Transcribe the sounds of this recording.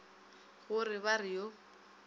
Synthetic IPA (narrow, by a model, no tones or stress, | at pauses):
ɣʊrɪβarɪjo